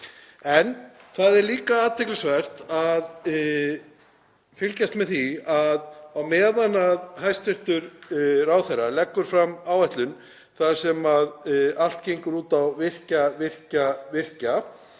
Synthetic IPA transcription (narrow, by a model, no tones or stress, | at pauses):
ɛnθaðɛɾliːkaaːt̪ʰɛklɪsvɛr̥t̪að | fɪlcast̪mɛðθiaðawmɛːðanaðɦajst̪vɪr̥t̪ʏɾraːwθejralɛkːʏɾ̥fɾamːaːwɛht̪lʏn | θḁsɛmaðal̥t̪̚cejŋkʏɾuːt̪awvɪr̥cavɪr̥cavɪr̥ca